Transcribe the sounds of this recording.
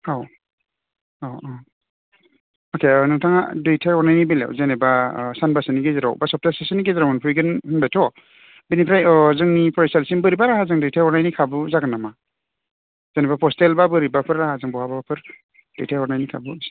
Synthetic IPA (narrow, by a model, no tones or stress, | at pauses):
haw | aw | okʰenɯŋtʰaŋa̰dujtʰajɔɾnajnibela̰wzenebasanbasɯniɡeziɾa̰wbasɔp̚tasasɯniɡeziɾawmɯnpʰujɡɯnɯnbajtʰɔ | binipʰɾajɔzɯŋnipʰɔɾesalsinbɯɾibaɾaɦazɯŋdujtʰajɔɾnajnikʰabuzaɡɯnama | zenebapʰɔstelbabɯɾibapʰɯɾaɦazɯŋbɔhabapʰɯɾ | d̥ɯjtʰajɔɾnajnikʰabu